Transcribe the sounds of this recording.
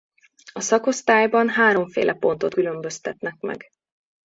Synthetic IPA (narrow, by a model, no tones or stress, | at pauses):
ɒsɒko̞st̪aːjbɒnɦaːɾo̞ɱfḛːlʔɛpo̞n̪t̪o̞t̪kylømbø̞st̪ɛt̪nɛkmɛ̰ɡ